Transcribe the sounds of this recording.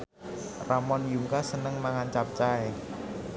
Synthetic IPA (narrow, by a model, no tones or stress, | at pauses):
ramɔnjuŋkasənəŋmaŋant͡ʃap̚t͡ʃae